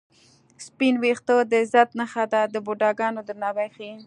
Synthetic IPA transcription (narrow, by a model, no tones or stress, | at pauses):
spinwext̪əd̪əɪzat̪naxad̪ad̪əboɖɑɡɑnod̪ənɑbajxin